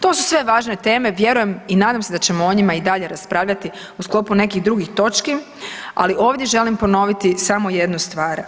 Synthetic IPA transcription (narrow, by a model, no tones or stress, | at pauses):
t̪o̞ːsu̥sʋe̞ʋaːʒne̞t̪e̞ːme̞ʋje̞ɾuje̞minaːd̪amse̞d̪at͡ɕemooɲimaid̪aʎe̞ɾaspɾaːʋʎat̪i | usklo̞ːpune̞kiɣd̪ɾuɡixt̪o̞t͡ʃki | a̰liʔo̞ːʋd̪je̞ʒe̞limpo̞no̞ʋit̪isamo̞je̞d̪nust̪ʋaːɾ